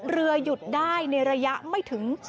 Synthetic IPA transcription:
ɾɯ˧ɐju˨˩t̪̚daː˥˩jna˧jɾa˧ja˦˥ʔma˥˩jt̪ʰɯ˩˦ŋ

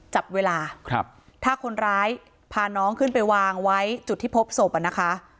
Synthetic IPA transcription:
t͡ɕa˨˩p̚weː˧laː˧kʰp̚ | t̪ʰaː˥˩kʰo˧nɾaː˦˥j | pʰaː˧˩nɔː˦˥ŋkʰɯ˥˩npa˧jwaː˧ŋwa˦˥jt͡ɕu˨˩t̪ʰːiː˥˩pʰo˦˥p̚so˨˩p̚ʔa˨˩na˦˥kʰa˦˥

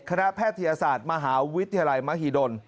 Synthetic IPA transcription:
kʰa˧na˦˥pʰɛː˥˩t̪ʰːa˧jaː˧saː˨˩t̪̚ma˧ɦaː˩˦wi˦˥t̪ʰːa˧ja˧la˧jma˦˥hiː˧˩do˧n

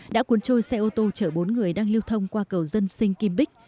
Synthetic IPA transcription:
ɗa̰ː˧˥kwu˨˦ənt͡ɕo˧jsɛ˧ʔo˧t̪o˧t͡ɕəː˧˩ɓo˨˦nŋɨ˨˩əjɗaː˧ŋli˧əwt̪ʰə˧wŋ͡mkwaː˧kə˨˩wzə˧nsï˧ŋ̟ki˧mɓi˦˥k̟̚

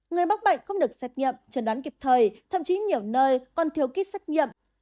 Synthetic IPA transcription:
ŋɨ˨˩əjɓa˦˥ɓa̰˧˨jŋ̟xə˧wŋ͡mɗɨ˨˩ək̚sɛ˦˥t̚ɲḭ˧˨mt͡ɕə˨˧˩nɗaː˨˦nki˨˩p̚t̪ʰəː˨˩jt̪ʰə̰˧˨mt͡ɕi˨˦ɲi˨˩əwnəː˧jkɔ˨˩nt̪ʰi˧˩əwki˦˥t̚sɛ˦˥t̚ɲḭ˧˨ə˨m

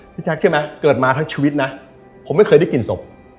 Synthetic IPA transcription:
i˦˥t͡ɕʰa˦˥k̚ʰɯ˥˩ma˦˥kɤː˨˩t̪̚maː˧t̪ʰa˦˥ŋt͡ɕʰiː˧wi˦˥t̪̚na˦˥ | pʰo˩˦mːa˥˩jkʰɤː˧jda˥˩jki˨˩nso˨˩p̚

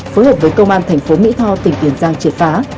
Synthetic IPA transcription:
foː˨˦jɦəː˨˩p̚vəː˨˦jkə˧wŋ͡mʔaː˧nt̪ʰɛ˨˩jŋ̟fo˨˦mḭ˧˥t̪ʰɔ˧wt̪ï˨˩ŋ̟k̪i˧˩ənzaː˧ŋt͡ɕi˧˩ət̚faː˨˦

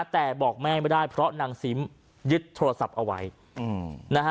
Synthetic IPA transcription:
t̪ɛː˨˩bɔː˨˩k̚mɛː˥˩ma˥˩jdaː˥˩jpʰɾɔ˦˥naː˧ŋsi˨˦˥m | jɯ˦˥t̪ʰːoː˧ɾa˧sa˨˩p̚ʔa˧wa̰˦˥j | na˦˥kʰ

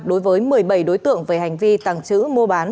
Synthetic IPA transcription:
ɗo˨˦jvəː˨˦jmɨ˨˩əjɓə˧˩jɗo˨˦jt̪ɨ̰˧˨əŋveː˨˩ha˨˩jŋ̟vi˧t̪a̰ː˧˩ŋt͡ɕɨ̰˧˥mo˧ɓaː˨˦n

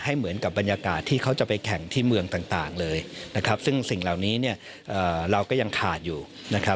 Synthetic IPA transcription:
ha˥˩jmɯ˩˦ənka˨˩p̚ba˧njaː˧kaː˨˩t̪ʰːiː˥˩kʰa˦˥wt͡ɕa˨˩pa˧jkʰɛ˨˩˦ŋt̪ʰiː˥˩mɯ˧əŋt̪aː˨˩ŋt̪aː˨˩ŋlɤː˧jna˦˥kʰa˦˥p̚sɯ˥˩ŋsi˨˩ŋla˨˩wniː˦˥ni˥˩ɐ | ʔəː˨˩ɾa˧wkɔː˥˩ja˧ŋkʰaː˨˩t̪̚juː˨˩ | na˦˥kʰa˦˥

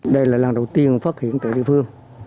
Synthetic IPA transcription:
ɗə˧jlaː˨˩laː˨˩ŋɗə˨˩wt̪i˧ənfaː˦˥t̚hḭ˧˨ənt̪aː˨˧˩ɗḭ˧˨əfɨ˧əŋ

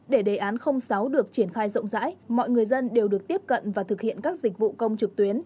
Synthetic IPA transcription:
ɗe˧˩ɗe˨˩ʔaː˨˦nxə˧wŋ͡msa˨˦wɗɨ˨˩ək̚t͡ɕi˧˩ənxaː˧jzə̰˧˨wŋ͡mza̰ː˧˥jmɔ̰˧˨jŋɨ˨˩əjzə˧nɗe˨˩wɗɨ˨˩ək̚t̪i˦˥əp̚kə̰˧˨nvaː˨˩t̪ʰɨ˨˩k̚hḭ˧˨ənkaː˦˥k̚zi˨˩k̟̚vṵ˧˨kə˧wŋ͡mt͡ɕɨ˨˩k̚t̪wi˨˦ən

